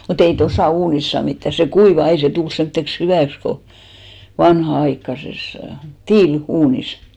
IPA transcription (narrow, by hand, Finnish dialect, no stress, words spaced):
mut ei tosɑˑ uːnis sɑː mitːæ se kuiʋɑˑ ei se tul semtːeks hyʋæˑks ko ʋɑnhɑɑikːɑses tiːluːnis